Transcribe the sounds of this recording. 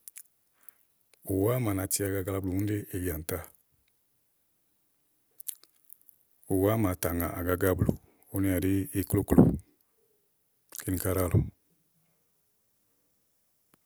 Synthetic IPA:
u˨wa˦ma˨na˨ti˦a˨ɡa˨ɡa˧la˦blu˨ũ˦n˦de˦e˨ɡi˨a˨n̩˨ta˦˨ | u˨wa˦ma˨ta˨ŋã˨ʔa˨ɡa˨ɡa˦blo̰˨ | o˦ni˦a˨ɾe˦e˦klo˦klo̰˨ | ke˦ni˨ka˦ɾa˦˨lo˨

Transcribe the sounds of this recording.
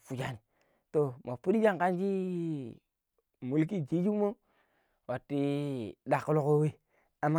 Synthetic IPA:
fu˨d͡ʒa˦˨ni˨ | to˨mo˨pu˦di˦d͡ʒa˦ŋka˦nd͡ʒi˦ | mu˨lk̬i˦d͡ʒi˦d͡ʒu˦mo˦ | wa˨tːi˦da˨kːu˦lo˦ko˦we˦ | a˨mːa˦

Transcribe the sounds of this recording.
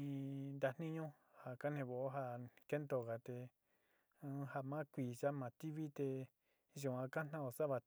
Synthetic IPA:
ĩ˧nd̪a˧n̥nĩ˦ɲõ˦ | ha˨ka˦n̥ẽ˧˨βo˨ʔo˦ɦa˧ke˦nd̪o˧˨ɣa˨t̪e˧ | ha˧mã˦kʷi˨ʒa˦mã˨t̪i˦βi˦t̪e˧ | ʒu˨ã˧ka˦n̥ã˦o˨sa˦βa˧

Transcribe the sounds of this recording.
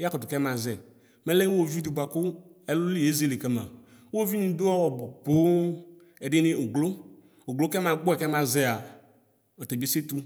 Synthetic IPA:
a˦kɔ˨t̪o˨kɛ˦mã˨zɛ˨ | mɛ˦le˦wo˦˨vi˦d̪u˨ba˨kʊ˦ | ɛ˨lo˦li˦e˦ze˦˨le˨kɛ˦mã̰˨ | wo˦vi˦nĩ˨d̪o˦ɔ˦wɔ˨bo˨po˦ | ɛ˨ɖe˦ne˦o˨ɡlo˦ | o˨ɡlo˦kɛ˦mã˨ɡ͡bo˦ɛ˨kɛ˦mã˨zɛ˦a˨ | o˨t̪e˨bi˦e˦se˦t̪u˦

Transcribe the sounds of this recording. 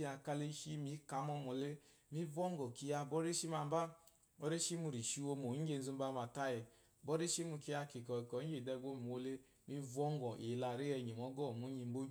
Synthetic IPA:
a˧ka˧le˧˦ʃi˦mi˨˦ka˨˦mɔ˧mɔ˨le˦ | mi˦vɔ˦ŋ˦ɡɔ˨ki˧ja˧bɔ˦ɾe˦ʃi˦ma˧m˦ba˦ | bɔ˦ɾe˦ʃi˦mu˧ɾi˨ʃi˧wo˧mo˨i˦ɡe˧n̩˦zu˧˦ba˧ma˨ta˧jɛ˨ | bɔ˦ɾe˦ʃi˦mu˧ki˧ja˧ki˨kɔ˨i˨kɔ˨˦ɡe˨dɛ˧˨ɡo˦m˨wo˧le˧˦ | mi˧˦vɔ˦ŋ˦ɡɔ˨i˨la˧ɾe˦ɛ˧˨ɲi˨mɔ˨˦ɡɔ˦˨mu˦ɲi˧m˦ɡ͡bo˦˨

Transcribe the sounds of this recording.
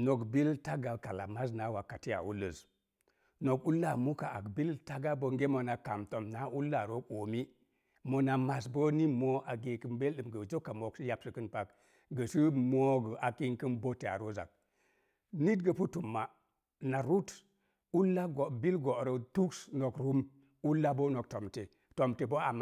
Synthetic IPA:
no˨kbi˦lta˦ɡa˨ka˨la˨ma˦s̬na˨˦wa˨ka˨ti˦ja̰˨ṵ˦lːə˨z | no˨ku˦lːa˦˨mu˦ka˨ʔa̰˨kbi˦lta˦ɡa˦bo˨ŋɡe˦mo˨na˨ka˨mto˨mna˨˦u˦lːa˨ɾo˦ko˨mi˦ | mo˨na˨ma˨s̬bo˦ni˦mo˦a˨ɡe˨kɨ˨mbe˦lɗɨ˨mɡə˨d͡ʒo˦kːa˨mo˨ksi˦ja˨psə˨kɨ˦npa˦k | ɡə˨si˦mo˦ɡə˨a˨ki˦ŋkə˦nbo˦te˨a̰˨ɾo˦za̰˨k̚ | ni˦tɡə˨pu˦tu˨mːa˨ | na˨ɾu˦t | u˦lːa˦ɡo˨bi˦lɡo˨ɾə˨tu˦ksno˨kɾu˦m | u˦lːa˦bo˦no˨k̚to˨mte˨ | to˨mte˨bo˦a˨m˨

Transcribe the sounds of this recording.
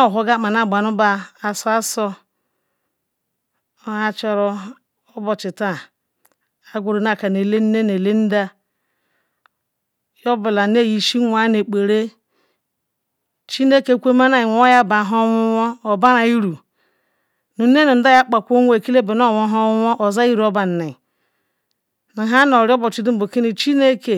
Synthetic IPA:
ɦo˨˦ɡa˦˨ma˨na˦˨ɡ͡ba˨nu˦ba˦a˨so˦a˦so˦ | a˦t͡ʃo˦ɾo˦ | o˦bo˨t͡ʃi˨ta˦˨ | a˨ɡʷu˨ɾi˨na˦˨ka˨ne˨le˦n˦ne˦ne˨le˦n̩˦da˦ | jo˦bi˨la˨ne˦˨ji˨ʃi˦ŋʷ˦a˨˦ne˨k͡pe˨ɾe˦ | t͡ʃi˦ne˦ke˦kʷe˦ma˦na˦i˨ŋʷ˦o˦ja˦˨ba˨ɦo˦ŋʷu˦wo˦o˨ba˦ɾa˨i˦ɾu˨ | nu˨˦e˦ni˨n̩˦da˦ja˦k͡pa˨kʷo˦ŋʷe˨e˨ki˦le˦be˨n˦o˦˨wo˨˦ɦo˦wʷo˦ʔo˨za˦i˦ɾo˦ba˨n̩˨ni˨ | na˨ɦa˦no˨ɾi˦o˦bo˨t͡ʃi˨du˦m̩˦bo˨ki˦ni˨t͡ʃi˦ne˦ke˨

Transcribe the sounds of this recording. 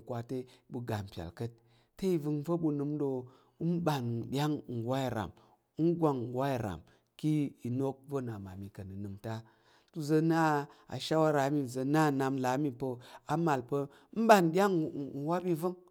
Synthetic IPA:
kʷa˨te˦ɓu˨ɡa˨m˨pʲa̰˨lkə˦t̚ | te˦i˨vɨ˧ŋ˦və˦ɓu˧nɨ˧mɗo˧˦ | m˦ɓa˨nɗʲa˦ŋ̩˨wa˦i˨ɾa̰˨m˦ | n˦ɡʷa˨ŋ˨wa˦i˨ɾa̰˨m | ki˦i˨no˦k̚və˦na˨ma˨mi˨kə˨nɨ˨nɨ˨mta˦ | tu˨zə˧na˦a̰˨ʃa˦wa˦ɾa˨˦mi˦˨zə˧na˦˨na˧mla˨˦mi˨pə˧a˨ma˨lpə˧˦ | m̩˦ɓa˨nɗʲa˦ŋ̩˨wa˦ɓi˦vɨ˦ŋ

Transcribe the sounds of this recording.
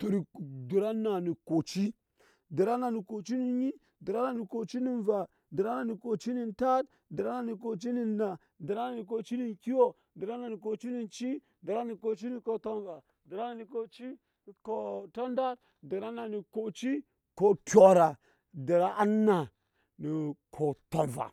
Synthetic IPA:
to˨ɾi˨di˨ɾa˦na˨ni˨ko˨t͡ʃi˦ | di˨ɾa˦na˨ni˨ko˨t͡ʃi˦ni˨n˦ɲi˦ | di˨ɾa˦na˨ni˨ko˨t͡ʃi˦ni˨nva˨ | di˨ɾa˦na˨ni˨ko˨t͡ʃi˦ni˨nta˦t | di˨ɾa˦na˨ni˨ko˨t͡ʃi˦ni˨na˨ | di˨ɾa˦na˨ni˨k̬o˨t͡ʃi˦ni˨nki˦wo˦ | di˨ɾa˦na˨ni˨ko˨t͡ʃi˦ni˨nt͡ʃi˦ | di˨ɾa˦ni˨ko˨t͡ʃi˦ni˨ko˨to˦nva˨ | di˨ɾa˦na˨ni˨ko˨t͡ʃi˦˨ | ko˨to˦nda˦ɾ | di˨ɾa˦na˨ni˨ko˨t͡ʃi˦ | ko˨tʲo˨ɾa˨ | di˨ɾa˦ʔa˦nːa˨ | ni˨kʰo˨to˨nva̰˨

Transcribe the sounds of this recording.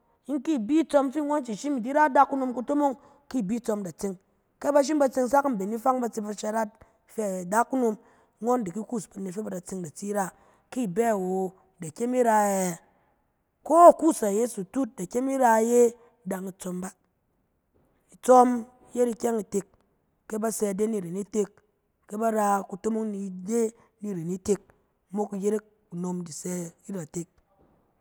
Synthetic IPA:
i˦ŋ˦ki˦˨bi˦t͡so˧mfi˦˨ŋo˦n˦t͡ʃi˨ʃi˦mi˨di˦ɾa˦da˦kːu˦no˧mku˦to˦mo˦ŋ | ki˦˨bi˦t͡so˧mda˨t͡se˦ŋ | ke˦ba˧ʃ̬i˦mba˧t͡se˧ŋsa˦km̩˨be˨ni˦fa˦ŋba˧t͡si˧pa˧t͡ʃa˧ɾa˦t̚ | fe˦a˨da˦kːu˦no˧m˦ | ŋo˦ndi˨ki˦ku˦˨sba˨ne˨fe˦ba˨da˨t͡se˧ŋda˨t͡si˦ɾa˦ | ki˦˨bɛ˦˨wo˨ | da˨kʲe˦mi˦ɾa˧˨ɛ˨ | ko˦a˨ku˦sa˨je˦su˨tu˦t̚da˨kʲe˦mi˦ɾa˧˦je˦ | da˨ŋi˨t͡so˧mba˦ | i˨t͡so˦m˦ | je˦ɾi˧kʲe˦ŋi˨te˧kː | e˦ba˦sɛ˧˨de˦ni˨ɾe˨ni˦te˦kː | e˦ba˦ɾa˧ku˧to˦mo˦ŋni˧˨de˦ | ni˦˨ɾe˨ni˦te˧k̚ | mo˦ki˨je˦ɾe˦ | u˨no˨mdi˨sɛ˧i˦ɾa˨te˦k̚

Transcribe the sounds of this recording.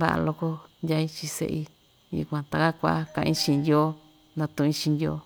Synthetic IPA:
ba̰˦ʔa̰˧lo˧ko˦ndʲja˧ĩ˧t͡ʃĩ˧sḛ˧ʔi˧ | jṵ˧kʷã˧t̪a˧ka˦kʷa̰˧˦kã˧ʔĩ˦t͡ʃĩ˧ndʲjoː˦ | nã˧t̪ũ˧ĩ˦t͡ʃĩ˧nd̪ʲjoː˧˦

